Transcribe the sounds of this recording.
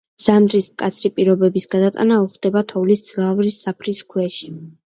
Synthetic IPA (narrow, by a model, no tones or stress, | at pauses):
z̥amd̪ɾismkʼat̪sʰɾipʼiɾɔbɛbisɡad̪at̪ʼa̰nauχd̪ɛbat̪ʰɔlisd̪zlˠavɾisːapʰɾiskʰwɛʃi̥